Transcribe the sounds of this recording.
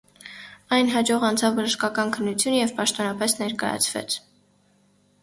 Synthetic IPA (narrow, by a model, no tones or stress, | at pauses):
ɑjnɦɑd͡ʒɔʁɑnt͡sʰɑvːəʒəʃkɑkɑnkʰənːut͡sʰjunəjɛvpɑʃt̪ɔnɑpɛsnɛɾkɑ̰jɑ̰t͡sʰvɛ̰t͡sʰ